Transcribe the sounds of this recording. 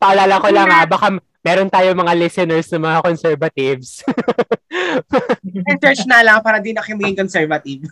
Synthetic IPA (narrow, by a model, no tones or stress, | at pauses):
pɐʔɐlaːlɐkolɐŋabɐka | mɛːɾont̪aːjomɐŋalɛsɛnɛɹsnɐmɐŋakonsɛɹvɐt̪ɪvs | ʔɛnt̪ɛɹt͡ʃnalɐŋpaːɾɐd̪inɐkjɪŋmɐɡɪŋkonsɛɹvɐt̪iv